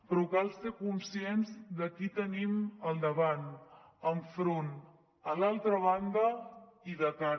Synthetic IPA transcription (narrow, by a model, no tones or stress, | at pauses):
pɾɔkalˠsekunsienzd̪əkit̪əniməlˠd̪əβan | əɱfɾon | əlalˠt̪ɾəβ̞and̪əiðəka